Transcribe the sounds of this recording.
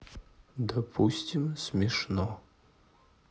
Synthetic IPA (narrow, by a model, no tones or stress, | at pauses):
d̪ɐpʰustʲimsmʲiʂno